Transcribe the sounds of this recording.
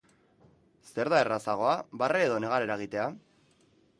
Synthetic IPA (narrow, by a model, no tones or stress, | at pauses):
se̞ɾðae̞rasaɣ̞o̞aβareːðo̞ne̞ɣ̞aɾeɾaeɣ̞it̪e̞a